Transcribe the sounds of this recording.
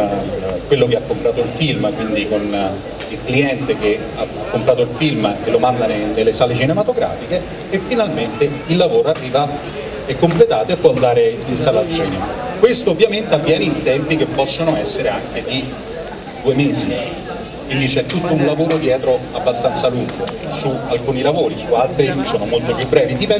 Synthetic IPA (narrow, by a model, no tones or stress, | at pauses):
kwelːokeakːompɾaːt̪oilfilmkwind̪ikon | ilkliɛnt̪ek̟e | akːompɾaːt̪oilfilmkelːomand̪aned̪elːesaːlet͡ʃinemat̪oɡɾa̰ːfikeː | fːinalment̪eilːavoːɾoarːiːva | ɛkːomplet̪aːt̪oapːɔnd̪aːɾeinst̪alːat̪sːjo̰ːnikwest̪oːvːjament̪eavːjɛːneint̪ɛmpikepːɔsːonoɛsːeɾeaŋk̟ed̪i | d̪uːemeːzi | kwind̪it͡ʃɛt̪ːut̪ːounlavoːɾod̪jɛːt̪ɾoabːast̪ant̪saluŋɡosualkuːnilavoːɾisualt̪ɾiisoːnomolt̪opjubːɾɛːvid̪ipɛ